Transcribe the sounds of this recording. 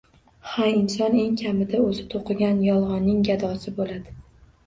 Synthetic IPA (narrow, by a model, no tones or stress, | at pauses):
haɪnsɒne̞ŋkʲʰamɪd̪aɵzɪt̪ʰoqʰɨɡʲanjɒlˠʁɒnːɪŋɡʲad̪ɒsɪbolad̪ɪ